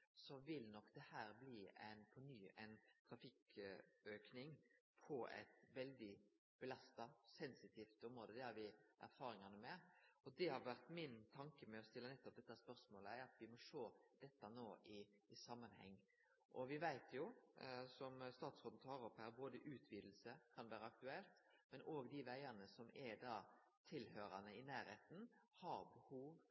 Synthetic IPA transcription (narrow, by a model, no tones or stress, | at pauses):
sɔʋɪlnɔkd̪̥ɛhæːɾbliɛ̰ɪnpʰɔnyːɛɪnt̪ʰɾɑfɪk | øːknɪŋpʰɔɛ̰t̪ʋɛld̪ɪ | b̥əlɑst̪ɑsɛnsɪt̪ʰiːft̪ɔmɾoːd̪əd̪ɛhɑɾʋɪʔæ̰ɾfɑːɾɪŋɑnəmɛɔd̪ɛhɑɾʋæɾʁt̪mɪnt̪ʰɑŋkəmɛɔst̪ɪlːənɛt̪ːɔp̚d̪ɛt̪ːspœɾsmoːləæɑt̪ʋɪmɔʂoːd̪̥ɛt̪ːɑnoːʔɪɪsɑmːɑnhɛ̰ŋː | ʔɔʋɪʋæɪt̪ʰjʊsɔmst̪ɑːt̪sʁɔːd̪n̩t̪ʰɑːɾɔpːhæːɾboːd̪əʔʉːt̪ʰʋiːd̪l̩səkʰɑnʋæːɾəɑk̚t̪ʉɛlt̪mɛnʔoːɡd̪ɪʋæɪɑnəsɔmɛd̪ɑː | t̪ʰɪlhøːɾɑnəɪnæːɾheːt̪n̩hɑɾbəhuːʋ